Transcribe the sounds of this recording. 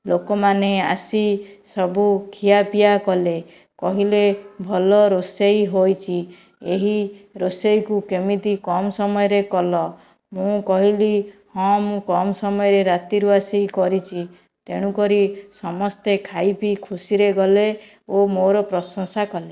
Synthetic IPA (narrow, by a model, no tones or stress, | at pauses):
lokɔmaneasisɔbukʰijapijakɔle | kɔɦilebʱɔlɔɾosejɦojt͡ʃʰi | eɦiɾosejkukemit̪ikɔmɔsɔmɔjɔɾekɔlɔ | mũkɔɦilihɔ̃mũkɔmɔsɔmɔjɔɾeɾat̪iɾuasikɔɾit͡ʃʰi | t̪eɽ̃ũkɔɾisɔmɔst̪ekʰajpikʰusiɾeɡɔle | omoɾɔpɾɔsɔŋsakɔle